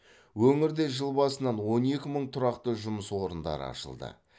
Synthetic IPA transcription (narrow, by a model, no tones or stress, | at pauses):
wɵŋɪɾd̪e̞ʒəlˠbɑsənɑnwo̞ne̞kʲɪməɴt̪ʰʊɾɑqt̪əʒʊməswo̞ɾənd̪ɑ̰ɾə̰ɑ̰ʃə̰lˠd̪ə̰